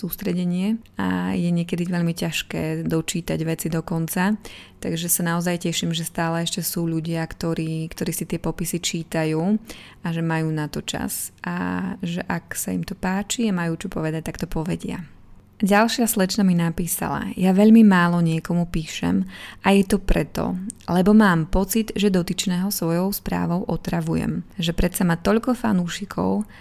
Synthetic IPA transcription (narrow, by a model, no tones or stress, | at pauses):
suːst̪ɾɛɟɛɲɪɛa̰jɛɲɪɛkɛd̪iʋɛʎmicaʃkɛːd̪ɔt͡ʃiːt̪aɟʋɛt͡sid̪ɔkɔnt͡sat̪aɡʒɛsanaɔzajcɛʃimʒɛst̪aːlɛɛʃcɛsuːʎuɟɪakt̪ɔɾiːkt̪ɔɾiːsit̪ɪɛpɔpisit͡ʃiːt̪ajuː | aʒɛmajuːnat̪ɔt͡ʃa̰sa̰ʒɛʔaksaimt̪ɔpaːt͡ʃiamajuːt͡ʃɔpɔʋɛd̪ac̚t̪akt̪ɔpɔʋɛɟɪa̰ | ɟalʃɪaslɛt͡ʃnaminapiːsa̰la̰jaʋɛʎmimaːlɔɲɪɛkɔmupiːʃɛ̰majɛt̪ɔpɾɛt̪ɔ̰lɛbɔmaːmpɔt͡sid̪ʒɛd̪ɔt̪it͡ʃnɛːɦɔsʋɔjɔʊspɾa̰ːʋɔʊʔɔt̪ɾaʋujɛ̰mʒɛpɾɛt̪samat̪ɔʎkɔfa̰nuːʃikʰɔ̰ʊ